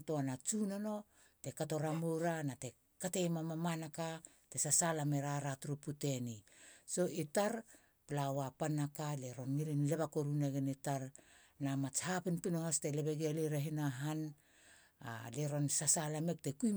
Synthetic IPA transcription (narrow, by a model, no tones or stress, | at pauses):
toanat͡ʃunono̞ | te̞kato̞ɾamoɾanate̞ | kate̞mamamanaka | te̞sasalame̞ɾaɾatuɾupute̞niso̞itaɾ | plawapanakaleɾo̞nŋilinleβakoɾuneɡenitaɾ | namat͡ʃhapinpinohasteleβeɡaleɾaɦinaɦan | a̰leɾo̞nsasalame̞k̚te̞kuj